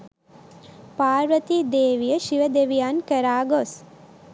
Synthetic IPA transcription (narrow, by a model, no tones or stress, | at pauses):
paːɾʋət̪id̪eːʋijəʃiʋəd̪eʋijaːnkəɾaːɡos